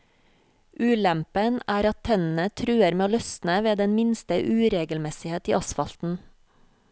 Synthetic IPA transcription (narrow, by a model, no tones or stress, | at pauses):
ʔʉːlɛmpənæːɾɑt̪ʰtʰːɛnn̩ət̪ʰɾʉːəɾmeːoːlœsnəʋeːd̪ɛnmɪnst̪əʔʉːɾeːɡəlmɛsɪheːt̪ḭːʔɑsfɑlt̪n̩